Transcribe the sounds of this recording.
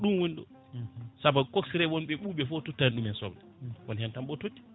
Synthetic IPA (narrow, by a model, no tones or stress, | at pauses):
ɗumwunɗɔ̰ | sabakoksiɾɛwonɓɛɓuːɓɛfɔtotːanɗumɛnsɔblɛwɔnhɛntamɓɔtotːi̥